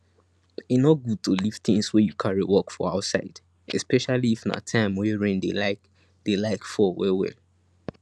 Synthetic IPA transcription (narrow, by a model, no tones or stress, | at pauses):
inɔt̚ɡud̚tʰolift̪ĩŋswɛjukʰaɹiwɔkfɔ̰aʊtsa̰ɪd | ɛ̰spɛʃaliːfna̰tʰãɪ̃mwɛɹẽndḛlaɪk | d̥elaɪkfɔwɛwɛ̰l